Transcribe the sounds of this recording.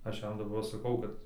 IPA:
ˈɐʃ ˈjɛm dɐˈbɐr sɐˈkɐʊ kɐt

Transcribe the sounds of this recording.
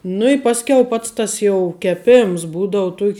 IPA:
nʊ ɪ ˈpɑːsʲˌkʲɛʊ ˈpɐts tɐs jɛʊ kʲɛˈpʲeːms ˈbuːdɐʊ ˈtuɔkʲ

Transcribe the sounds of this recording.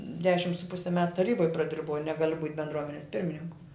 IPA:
ˈdʲæːʃʲɪm sʊ ˈpʊsʲɪ mʲɛt tɐˈrʲiːboːj prɐˈdʲɪrbɐʊ ˈnʲæːɡɐlʲʊ buːtʲ bʲɛndˈruɔmʲɛnʲɛs ˈpʲɪrʲmʲɪnʲɪŋkʊ

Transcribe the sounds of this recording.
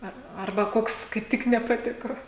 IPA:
ˈɐr ˈɐrbɐ ˈkoːks kɐɪp ˈtʲɪk nʲɛpɐˈtʲɪkoː

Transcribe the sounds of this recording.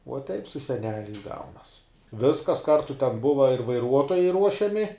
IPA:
uɔ tʲɛɪp sʊ sʲɛˈnʲæːlʲɛɪs ˈɡɐʊnɐs ˈʋʲɪskɐs ˈkɐrtʊ tʲɛn ˈbʊʋɐ ɪr ʋɐɪˈruɔtoːjɛɪ ˈruɔʃʲɛmʲɪ

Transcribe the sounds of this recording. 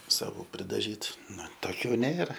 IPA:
sɐˈʋuː pʲrʲɪdɐˈʒʲiːtʊ ˈnʊ toːˈkʲuː ˈnʲeːrɐ

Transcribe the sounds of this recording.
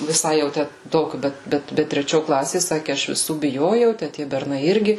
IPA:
ʋʲɪˈsɐɪ jɛʊ ˈtʲæ ˈtoːkʲʊ ˈbʲɛt ˈbʲɛt ˈbʲɛt tʲrʲɛˈt͡ʃʲoː ˈklˠɑːsʲeː ˈsɑːkʲɪ ˈɐʃ ʋʲɪˈsuː bʲɪˈjoːjɛʊ tʲæː ˈtʲiɛ bʲɛrˈnɐɪ ˈɪrʲɡʲɪ

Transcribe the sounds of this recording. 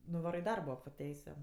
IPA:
nʊˈʋɑːroː ɪ ˈdɐrboː poː ˈtʲɛɪsʲʊ

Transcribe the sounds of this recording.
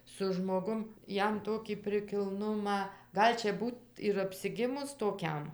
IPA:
sʊ ʒmoːˈɡʊm ˈjɛm ˈtoːkʲiː pʲrʲɪkʲɪlˠˈnʊmɑː ˈɡɐlʲ t͡ʃʲɛ ˈbuːt ɪr ɐpʲsʲɪˈɡʲɪmʊs toːˈkʲɛm

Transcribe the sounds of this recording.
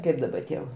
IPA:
ˈkɐɪp dɐbɐ ˈtʲiɛ ʋɐ

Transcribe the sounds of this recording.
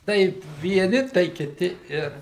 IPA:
ˈtɐɪ ʋʲiɛˈnʲɪ tɐɪ kʲɪˈtʲɪ ˈɪr

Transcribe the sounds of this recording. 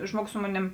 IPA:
ˈʒmuɔɡʊs ˈsʊ moːˌnʲeːm

